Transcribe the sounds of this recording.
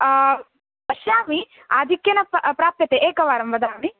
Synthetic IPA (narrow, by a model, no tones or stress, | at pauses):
bɐʃaːmi | aːd̪ʱikjɐnɐpɾaːp̚jɐt̪eʔeːkɐʋaːɾɐmʋɐd̪aːmi